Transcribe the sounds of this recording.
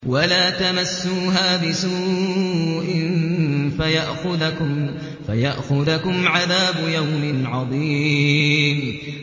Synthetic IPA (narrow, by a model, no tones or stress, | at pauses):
walaːt̪amasːuːɦaːbɪsuː | ʔɪnfajaʔxʊðʊ | fajaʔxʊðakʊmʕaðaːbʊjawmɪnʕɑðˤiː | m